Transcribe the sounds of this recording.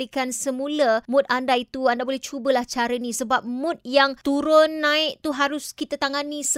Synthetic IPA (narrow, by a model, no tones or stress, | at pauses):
ikansəmũləmʊ̃t̪̚andait̪uandabolɛht͡ʃubəlaht͡ʃaɾənĩsəbap̚mʊ̃t̪̚jaŋt̪uɾʊnːãɪʔt̪uɦaɾʊskit̪ət̪aŋanis